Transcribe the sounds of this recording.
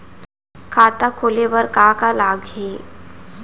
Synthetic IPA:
kʰaːt̪akʰoːlebəɾkaːkalaːɡɦeː

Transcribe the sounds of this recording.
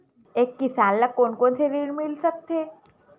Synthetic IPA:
ekːisalːakoɳkonseɾiɳmilsək̚t̪e

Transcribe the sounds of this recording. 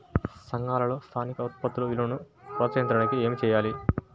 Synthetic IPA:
sɐŋɡaːlɐlo̞ːst̪ʰaːnikɐut̪̚pɐt̪ːuloilɐnu | pɔːt͡ʃɐjɐnt̪ɾɐnikie̞ːmit͡ʃɛːjaːli

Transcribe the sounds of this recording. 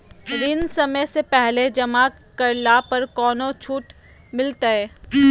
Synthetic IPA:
ɾɪnsɐməjsepɛɦled͡ʒɐmaːk | kːɐɾlapɐɾkɔːnot͡ʃʰuːʈ | mɪlt̪aɛː

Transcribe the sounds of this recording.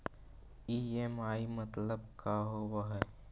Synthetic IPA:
iːemaːimɐt̪ləb̚kaɦoːwaɦɛː

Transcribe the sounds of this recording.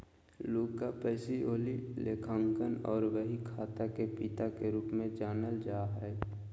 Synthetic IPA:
luːɡkːapəːsioːlileːkʰãːŋkənɔːɾʋəɦikʰaːt̪akepit̪akeɾuːpmẽd͡ʒaːnəld͡ʒaːɦɛː

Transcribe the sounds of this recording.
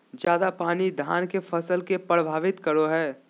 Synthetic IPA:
d͡ʒjaːd̪apaːnid̪ʱa̰ːnkefɐsəlkepɾəbʱaːʋɪt̪kɐɾoɦɛː

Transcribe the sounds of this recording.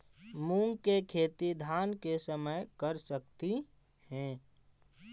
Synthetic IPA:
mũŋɡkekʰeːt̪id̪ʱaːnkesəməjkəɾsəkt̪i | hɛ̃

